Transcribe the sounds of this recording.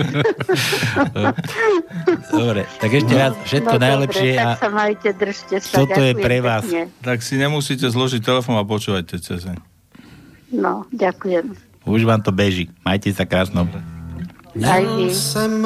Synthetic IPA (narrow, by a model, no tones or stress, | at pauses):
d̪ɔbɾɛt̪aɡɛʃcɛʋat͡sfʃɛt̪kɔnajlɛpʃɪɛasamajcɛd̪r̩ʒcɛstaɔtaɔjɛpɾɛʋaːsɲɛt̪aksiɲɛmusiːcɛzlɔʒic̚t̪ɛlɛfɔnap̬ɔt͡ʃuːʋacːɛt͡sɛzɛ | nɔɟakujɛm | uʒʋaːmt̪ɔbɛʒimajcɛsakɾaːsnɔ | ajisɛm